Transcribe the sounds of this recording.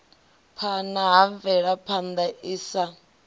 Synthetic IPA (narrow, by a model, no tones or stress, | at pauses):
pʰanaɦaɱvɛɺapʰand̪aiːsa